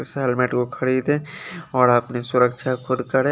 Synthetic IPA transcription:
sɦɛlmɛʈkokʰɐɾiːd̪ẽɔːɾapnisʊɾəkʃʰakʰʊd̪kɐɾẽ

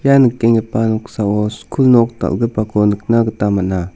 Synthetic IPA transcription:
janəkːeŋɡepanksaoskʰulnok̚t̪a̰ʔɡəpakonək̚naɡət̪amana

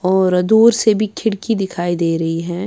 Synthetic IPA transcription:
ɔːɾɐd̪uːɾsebʱikʰɪɽkid̪ɪkʰaːid̪eːɾɐɦiɦɛ̃ː

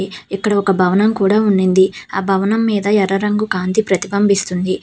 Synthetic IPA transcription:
ikːɐɽɐɔkɐbʱɐʋɐnɐmkuːɽaːuɳːind̪iaːbʱɐʋɐnɐmːiːd̪ɐɛɾɐɾɐŋɡukaːnd̪ipɾɐt̪ibɐmbist̪und̪i

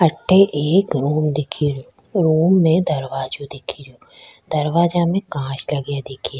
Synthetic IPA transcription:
ɐʈʰːeʔeːkɾuːmd̪ɪkʰiɾjoː | ɾuːmːẽd̪ɐɾʋaːd͡ʒõd̪ɪkʰiɾijoːd̪ɐɾʋaːd͡ʒãːmẽkãːʃlɐɡjaːd̪ɪkʰia

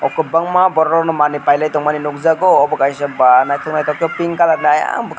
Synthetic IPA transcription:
ɔkːɔbaŋmabɔɾɔɾɔnɔmanipajlajtɔŋmaninuk̚zaɡɔɔbɔkajsabanajtʰɔk̚najtʰɔk̚tɔpiŋkalanaja̰ŋbk

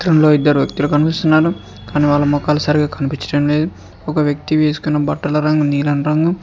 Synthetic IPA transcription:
t̪ɾɐmlo̞ːid̪ːɐɾuʋjɐk̚t̪ilukɐnipist̪unːaːɾu | kaːniːʋaːɭːɐmɔkaːlɐsɐːɾiɡaːkʰɐnipit͡ʃɐʈɐmle̞ːd̪u | ɔkɐʋjɐk̚t̪iʋe̞ːsu̥kunːɐbɐʈːɐlɐɾɐŋɡɐmniːlɐnɾɐŋɡɐm

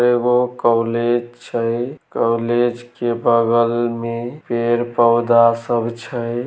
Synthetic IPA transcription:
eɡokɔled͡ʒt͡ʃʰəjkɔwled͡ʒkebəɡəlmepeɾpəwd̪asəbʱt͡ʃʰəj

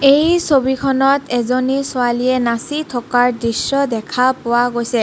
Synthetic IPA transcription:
ejsobikʰɔnɔtʰɛzonisʊaliɛnasitʰɔkaɹdɹisːɔdɛkʰapʊwaɡojsɛ

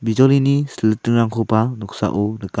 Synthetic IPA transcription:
bid͡ʒɔlinisələtɯŋɾaŋkʰopanɔk̚sa̰ʔonəka

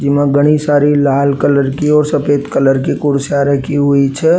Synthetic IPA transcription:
d͡ʒɪmãɡəɽ̃isaːɾilaːlkələɾkiɔːɾsəpeːt̪kələɾkikʊɾsjaɾəkiɦʊit͡ʃʰɛ

